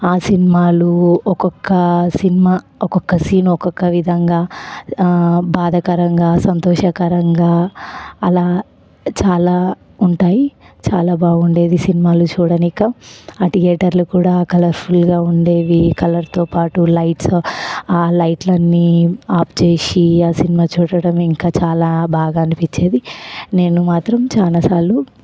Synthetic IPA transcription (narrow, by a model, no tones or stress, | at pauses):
aːsinimaːluɔkɔkːɐsinimaː | ɔkɔkːɐsiːnɔkɔkːɐʋid̪ʱɐŋɡaː | baːd̪ʱɐkɐɾɐŋɡaːsɐnt̪ɔːʃɐkɐɾɐŋɡaːɐlaː | t͡ʃaːlaː | uɳʈaːji | t͡ʃaːlaːbaːɡuɳɖe̞ːd̪isinimaːlut͡ʃuːɽɐnikɐaːʈijɛːʈɐɾlukuːɽaːkɐlɐɾpʰulɡaːuɳɖe̞ːʋikɐlɐɾt̪oːpaːʈulɐjʈsaːlɐjʈlɐnːiaːpt͡ʃe̞ːsiaːsinimaːt͡ʃuːɽɐɽɐmiŋkaːt͡ʃaːlaːbʱaːɡaɐnipiɲt͡ʃːe̞ːd̪ine̞ːnumaːt̪ɾɐmt͡ʃaːnasaːlːu